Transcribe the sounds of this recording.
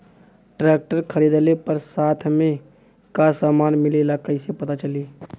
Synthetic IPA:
ʈɾɛːk̚ʈəɾkʰəɾiːd̪lepəɾsaːt̪ʰmẽ | kasaːmaːnmɪlelakəɪsepɐt̪at͡ʃəliː

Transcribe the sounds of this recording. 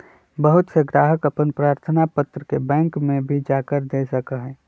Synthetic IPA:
bəɦʊt̪seɡɾaːɦəkəpənpɾaːɾt̪ʰənapət̪ɾəkebɛ̃ːŋkmẽbʱid͡ʒaːkəɾd̪esəkəɦɛː

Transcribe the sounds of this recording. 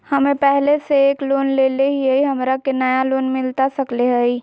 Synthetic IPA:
hɐmẽpɛɦleseːkloːnleːleɦiəiɦɐmɾakenɐjaloːnmɪlt̪asəkleɦəi

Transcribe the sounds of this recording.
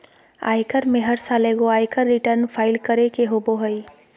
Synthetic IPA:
a̰ːjkəɾmẽɦəɾsaleɡoaːjkəɾːiʈəɾnpʰaːɪlkəɾekeɦoboɦəj

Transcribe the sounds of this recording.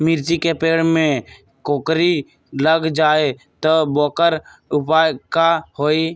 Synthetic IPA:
miɾd͡ʒikepeːɽmẽ | koːkɾi | ləɡd͡ʒaːe | t̪obɔːkəɾ | ʊpaːjkahoːi

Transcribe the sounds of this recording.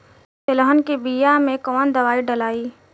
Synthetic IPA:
tɪləɦənkibijamẽkɔːnd̪ɐʋaːiɖɐlaːiː

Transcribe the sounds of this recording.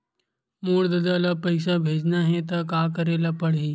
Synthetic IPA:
muːɽd̪ɐd̪alapəjsabʱeːd͡ʒnaɦẽt̪̬ɐkakəɾelapəɽɦiː

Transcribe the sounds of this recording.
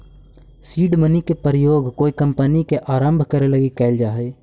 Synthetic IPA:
siːɖmənikepəɾjoːɡkoːikə̃mpənikeʔaːɾə̃mbʱkəɾelɐɡikɛɪld͡ʒaːɦeː

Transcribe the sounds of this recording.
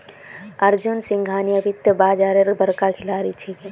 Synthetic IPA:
əɾd͡ʒunsĩŋɡʱaːnijəbʱit̪jəbaːd͡ʒaːɾeɾbəɾkakʰɪlaːɾit͡ʃʰi

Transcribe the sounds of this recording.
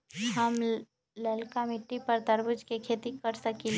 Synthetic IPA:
ɦɐm | lɐlkamɪʈːipɐɾt̪ɐɾbʊd͡ʒkekʰeːt̪ikɐɾsɐki

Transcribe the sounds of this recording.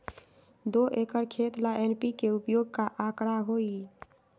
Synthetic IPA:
d̪oʔekəɾkʰet̪laʔenpikeupjoːɡ̚kaʔakɽaɦoi

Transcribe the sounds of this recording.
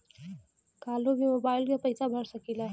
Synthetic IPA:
kalobimobailjʌpʌjsabʱʌɾsʌkila

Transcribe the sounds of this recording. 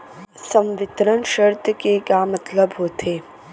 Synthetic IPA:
sɐ̃mʋɪt̪ɾənʃəɾt̪əkeɡaːmɐt̪ləbɦoːt̪ʰeː

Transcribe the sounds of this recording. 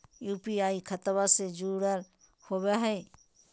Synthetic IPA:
juːpiaːikʰət̪based͡ʒuːɽəl | hoːweɦɛː

